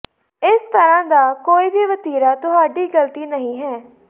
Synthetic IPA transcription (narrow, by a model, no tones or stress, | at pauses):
ɪst̪əɾãːd̪aːkoːiːbiːʋət̪iːɾaːt̪ʊɦaːɖiːɡəlt̪iːnəɦĩːɦɛː